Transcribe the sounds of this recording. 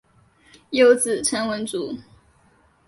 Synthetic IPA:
jo˦ʊt͡sɹ̩˨˩ʈ͡ʂʰə˧˥ŋwə˧˥nt͡su˨˦

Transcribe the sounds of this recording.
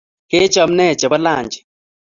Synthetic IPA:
ke˦t͡ʃɔ˨mnɛ˦˨t͡ʃɛ˨ba˦la˦˨ɲd͡ʒɛ̥˨

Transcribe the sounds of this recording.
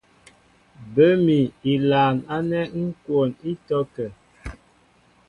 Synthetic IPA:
bə˦mi˨i˨laː˨ŋa˦nɛ˦ŋ̩˦kwo˨ni˦tɔ˦kə˨

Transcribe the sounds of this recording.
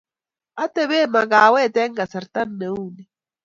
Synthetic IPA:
a˦t̪ɛ˦βe˦ma˨ɡa˨wɛ˦˨t̪ɛ˦ŋɡa˨sɛ˨ɾt̪a˦nːe˨u˦˨ni˨

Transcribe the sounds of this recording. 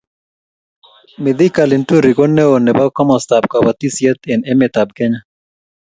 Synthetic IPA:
mɪ˨d̪ɪ˦ka˨lɪ˨ntu˦ɾi˨kɔ˦nɛ˦o˨nɛ˨ba˦kɔ˦mɔ˨st̪a˨b̚ka˨wa˨t̪i˦sjɛ˦t̪ɪ˨nɛ˦mɪ˨t̪a˨b̚kɛ˦ɲa˦

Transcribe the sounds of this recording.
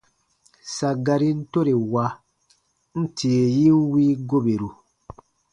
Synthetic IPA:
sa˨ɡa˨ɾi˦n̩˦to˦ɾe˨wa˧ | n̩˦tʰi˨e˨ji˦wiː˦ɡo˦be˨ɾu˨

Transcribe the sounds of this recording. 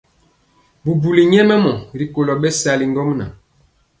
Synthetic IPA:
bu˨bu˨li˨ɲɛ˦mɛ˦mɔ˨ɾi˨ko˨lɔ˨ɓɛ˦sa˨li˨ŋ˦ɡɔ˦mna̰˨

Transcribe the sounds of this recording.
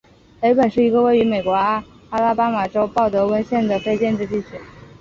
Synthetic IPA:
le˧˥ɪpə˨˩nʂɻ̩˥˩i˧˥ɡə˧we˥˩ɪy˧˥me˨˩ɪkwɔ˧˥a˥ | a˥la˥pa˥ma˨˩ʈ͡ʂo˥ʊpɑ˥˩ʊt̪ɤ˧˥wə˥nɕjɛ˥˩nd̪ə˩fe˥˧ɪt͡ɕjɛ˥˧nʈ͡ʂɻ̩˥˧t̪i˥˩t͡ɕʰy˧˥˩

